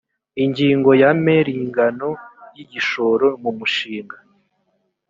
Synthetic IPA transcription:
iɲɟiːŋɡo̞jameɾiŋɡano̞jiɟiʃo̞ɾo̞mumuʃiːŋɡa

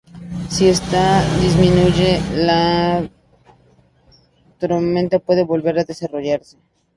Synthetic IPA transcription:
sie̞st̪aðizmĩnuʝe̞la | t̪ɾomẽnt̪apwe̞ðe̞βo̞lβe̞ɾaðe̞saro̞ʝaɾse̞̥

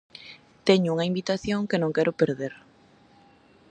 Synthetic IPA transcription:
t̪ɛɲʊuŋɐimbit̪aθjoŋkɪnõŋkɛɾʔʊpeɾðeɾ

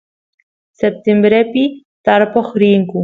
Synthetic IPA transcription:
sep̚t̪embɾepi | t̪aɾpoχɾiŋkʊ

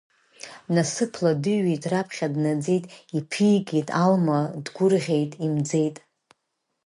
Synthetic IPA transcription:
nasɨpʰladɨejtʼrapʰχʲadnad͡ze̞jtʼipʰijɡʲetʼalmadɡʷʊrʁʲe̞jtʼimd͡ze̞jtʼ

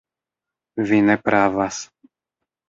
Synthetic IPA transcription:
vinɛpɾaːvas

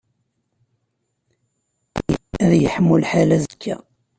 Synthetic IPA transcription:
æðjəħmːulħalæzəkʰːæ̰

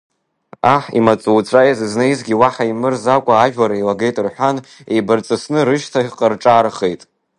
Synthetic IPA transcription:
aħḭmat͡sʼuwt͡sʷʼajzɨznaizɡʲiwaħaimɨrzakʷʼaːʒᶣlaɾailaɡejtʼɨrħʷanḛjbɨrt͡sʼɨsnɨɾɨʃtʰaiqʼərʈ͡ʂʼaːɾχejtʼ

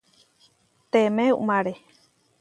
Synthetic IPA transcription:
t̪emẽṵmãɾe

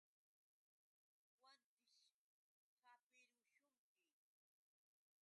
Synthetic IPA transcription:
want̪ɪʃ | kapɪɾʊʃʊŋkɪ

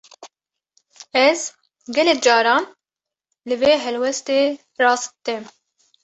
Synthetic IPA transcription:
ɛz | ɡɛlɛk̚d͡ʒɑːɾɑːn | lɨveːɦɛlwɛst̪eː | rɑːst̪ɛm

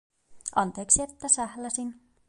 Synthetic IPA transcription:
ʔɑnt̪eːksiet̪ːæsæhlæsin

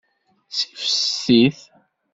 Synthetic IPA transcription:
si̥fə̥sːiθ

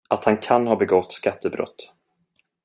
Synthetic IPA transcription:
ʔat̪hankʰanhɑːbɛɡɔt̪ːskat̪ʰːəbɾɔ̰t̪ː

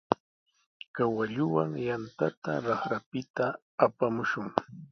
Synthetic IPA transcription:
kawaʎʊwaŋjant̪at̪aɾɑχɾapɪt̪aː | pamʊʃʊŋ

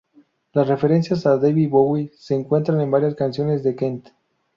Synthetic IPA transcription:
lasre̞fe̞ɾe̞nsjasadejβiβowise̞ːŋkwe̞nt̪ɾane̞mbaɾjaskansjo̞ne̞zðe̞kent̪

